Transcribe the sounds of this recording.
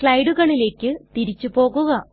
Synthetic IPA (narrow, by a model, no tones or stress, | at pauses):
ɭɐjɖuɣɐɳile̞ːkʲːɨt̪iɾit͡ɕːupo̞ːɣuɣɐ